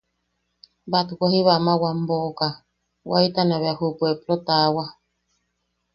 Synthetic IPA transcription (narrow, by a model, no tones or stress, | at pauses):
bat̪ukʷahiβamawam̩boka | wʔait̪anaβeahupueplot̪awa